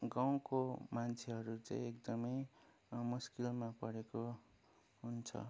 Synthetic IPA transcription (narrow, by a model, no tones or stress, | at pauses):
ɡaw̃komant͡sʰeɦʌɾut͡sã̰ĩekd̪ʌmʌj | muskilmapʌɽeko | ɦunt͡sʰʌ̰